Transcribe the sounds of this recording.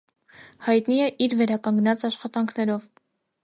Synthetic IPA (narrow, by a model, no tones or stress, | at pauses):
hɑjt̪niɛʔiɾvɛɾɑkɑŋɡnɑt͡sɑʃχɑt̪ɑŋkʰnɛɾɔv